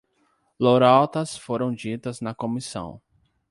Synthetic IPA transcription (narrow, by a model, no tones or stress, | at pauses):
loɾawt̪ɐsfoɾɐ̃w̃d͡ʒit̪ɐznɐkõmisɐ̰̃w̃